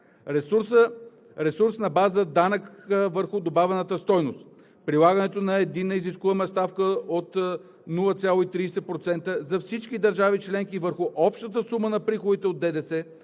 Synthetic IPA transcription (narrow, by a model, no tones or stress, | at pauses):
ɾɛsuɾsə | ɾɛsuɾsnɐbazəd̪anəkəvəɾxʊd̪obavɛnət̪əst̪ɔjnost̪ | pɾilˠaɡənɛt̪onɐɛd̪inːəiziskuvɐmɛst̪afkəot̪ | nulˠət̪sʲjalˠoit̪ɾiːsɛpɾot̪sɛnt̪əzɐfsit͡ʃkid̪əɾʒavit͡ʃlɛŋkivəɾxuʔɔpʃt̪ət̪əsumənɐpɾixod̪it̪ɛod̪̚ːɛd̪ɛsɛ